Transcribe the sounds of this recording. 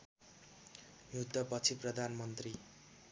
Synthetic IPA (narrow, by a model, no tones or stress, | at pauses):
jud̪ʌpʌt͡sʰiprʌd̪ʱanmʌnt̪ri